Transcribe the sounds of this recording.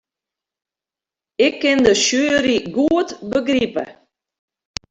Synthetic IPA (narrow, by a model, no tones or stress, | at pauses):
ɪkːɪndəʃyːɾiɡuətbəɡripə̰